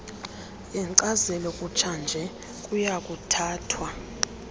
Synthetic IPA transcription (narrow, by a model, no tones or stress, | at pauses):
ɛŋǀazɛlɔkʼut͡ʃʰand͡ʒʱɛ | k̬ʼujak̬ʼutʰaːtʰwa